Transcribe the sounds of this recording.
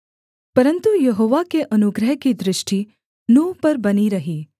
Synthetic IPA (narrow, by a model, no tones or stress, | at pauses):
pɐɾənt̪ujɐɦoːʋakeʔɐnuɡɾəɦkid̪ɾɪʃʈi | nũːpɐɾbɐniɾɐɦi